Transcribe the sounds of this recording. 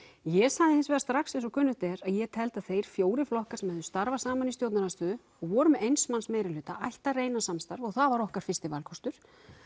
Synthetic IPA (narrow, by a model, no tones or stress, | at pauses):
jɛsaðɪhɪnsvɛːðast̪ɾaksɪnsɔkʰʏnːʏht̪ɛɾaðjɛt̪ʰɛlt̪aðθejɾ̥fjoːwɾɪflɔhkaɾ̥sɛmhɛðʏst̪aɾvasaːmanisjowt̪nanast̪ʏːðʏ | ɔɣvɔːɾʏmɛejnsmansmejɾɪlʏːt̪aʔajht̪areːjnasamst̪aɾvɔɣθaðvaɾɔhkaɾ̥fɪst̪ɪvalkʰɔst̪ʏɾ̥